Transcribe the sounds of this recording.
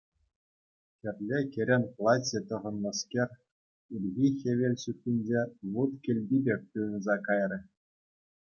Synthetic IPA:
kʲɘ̆rʲlʲekʲɘ̆ɾʲenʲplˠɑsʲet̪ɤ̆ʁɤ̆nlˠɤ̆skʲerʲ | ilʲɣʲixʲeʋʲelʲɕutʲːinʲd͡ʑeʋut̪kʲĕlʲbʲibʲek̚ʲt̪uj̆nzɑkɑjrʲɘ̆

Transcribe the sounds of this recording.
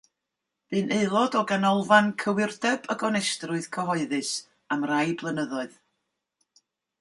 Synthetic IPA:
b̥ɨːnʔeɨlˠɔdɔɡanɔlˠvankʰəwɪrdɛbəɡɔnɛstrʊɨð̥kʰəɦɔɨðɨs | amrajblˠənəðɔɨð

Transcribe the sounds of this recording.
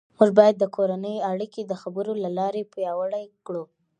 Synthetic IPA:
muʒbɑjad̪ːəkʰoɾanəjaɽiked̪əxabəɾolalɑɾepəjɑwəɽajkɽu

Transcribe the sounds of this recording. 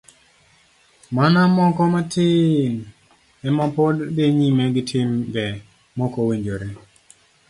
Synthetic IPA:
manamɔkɔmatɪn | ɛmapɔddeɲimɛɡɪtʰɪmbɛ | mɔkɔweɲd͡ʒoɾe

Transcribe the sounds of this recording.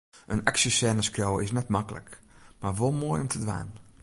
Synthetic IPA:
ʔənaksəsɛːnəskrowɪsnɛtmakələ̰kmarʋolˠmoːəjɔmtʰədʋa̰ːn

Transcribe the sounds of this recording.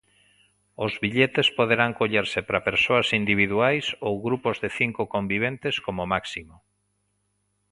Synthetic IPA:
ozβiʎet̪espoðeɾaŋkoʎeɾsɪpɾapeɾsoasind̪iβ̞iðuajsowɣɾupozðeθiŋkokombiβ̞ent̪eskomomaksimo

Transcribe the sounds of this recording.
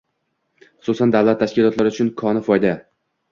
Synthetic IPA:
χʊ̥susand̪avlat̪ʰːaʃkʲɪlˠɒt̪laɾɪʊt͡ʃʰʊnkʰɒnɪfɒjd̪a

